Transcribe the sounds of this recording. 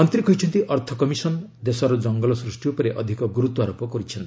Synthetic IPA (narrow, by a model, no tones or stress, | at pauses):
ɔnt̪ɾikɔɦit͡ʃʰɔnt̪iʔɔɾt̪ʰɔkɔmisɔnd̪esɔɾɔd͡ʒɔŋɡɔlɔsɾusʈiopɔɾeʔɔd̪ʱikɔɡuɾut̪ɔaɾopɔkɔɾit͡ʃʰɔnt̪